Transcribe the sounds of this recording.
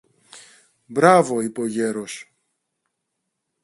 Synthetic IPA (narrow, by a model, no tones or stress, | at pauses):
bɾavoipoʝeɾos